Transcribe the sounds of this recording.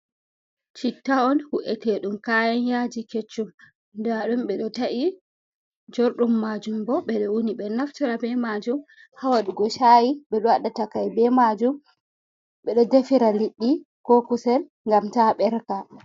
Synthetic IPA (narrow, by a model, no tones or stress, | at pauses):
t͡ʃitːaɔnhuʔɛtɛɗumkajanjad͡ʒiket͡ʃːum | daɗumɓɛɗɔtaʔi | d͡ʒoɾɗumːad͡ʒumbɔɓɛɗɔwuniɓɛnaftiɾabɛmad͡ʒum | hawaɗuɡɔʃajiɓɛɗɔwaɗːatakajbɛmad͡ʒum | ɓɛɗɔdefiɾaliɗːi | kokusɛl | ŋɡamtaɓɛɾka